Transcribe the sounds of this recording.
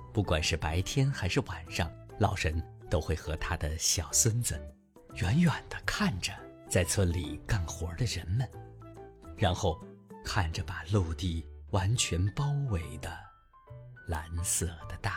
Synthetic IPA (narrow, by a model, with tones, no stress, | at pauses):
pu˥˩kwa˨˩nʂɻ̩˥˩pa˧˥ɪt̪ʰjɛ˥nxa˧˥ɪʂɻ̩˥˩wa˨˩nʂɑ˥˧ŋlɑ˨˩ʊʂə˧˥n | t̪o˥ʊxwe˥˩ɪxɤ˧˥t̪ʰa˥d̪ə˨ɕjɑ˨˩ʊswə˥nt͡sə˩ | ɥɛ˧˥nɥɛ˨˩nd̪ə˦kʰa˥˩nʈ͡ʂə˩t͡sa˥˩ɪt͡sʰwə˥nli˨˩ka˥˩ŋxwɔ˧˥d̪ə˧ɻə˧˥nmə˨n | ɻa˧˥nxo˥˩ʊkʰa˥˩nʈ͡ʂə˩pa˨˩lu˥˧t̪i˥˩wa˧˥nt͡ɕʰɥɛ˧˥npɑ˥ʊwe˧˥ɪd̪ə˧ | la˧˥nsɤ˥˩d̪̥ə˧˦t̪a˥˩